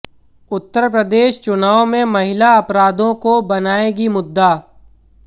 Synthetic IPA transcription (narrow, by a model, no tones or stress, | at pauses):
ʊt̪ːəɾpɾəd̪eːʃt͡ʃʊnaːomẽmɐɦɪlaɐpɾaːd̪õkobɐnaːeɡimʊd̪ːa